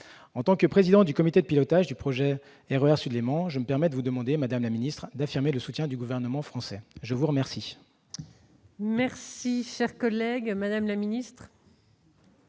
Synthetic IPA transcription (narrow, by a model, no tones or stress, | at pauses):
ɑ̃t̪ɑ̃kəpχezid̪ɑ̃d̪ykɔmit̪ed̪əpilɔt̪aʒd̪ypχɔʒɛ | ɛʁøɛʁsyd̪lemɑ̃ʒəməpɛʁmɛd̪əvud̪əmɑ̃d̪emad̪amlaminist̪χd̪afiʁmeləsut̪jɛ̃d̪yɡuvɛʁnəmɑ̃fχɑ̃sɛʒəvuʁəmɛʁsi | mɛʁsiʃɛʁkɔlɛɡmad̪amlaminist̪χ